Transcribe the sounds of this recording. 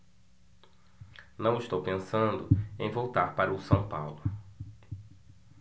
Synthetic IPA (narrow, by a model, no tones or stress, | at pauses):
nɐ̃w̃ɪst̪owpẽsɐ̃nd̪ʊẽj̃vowt̪aɾpaɾɐʊsɐ̃w̃pawlʊ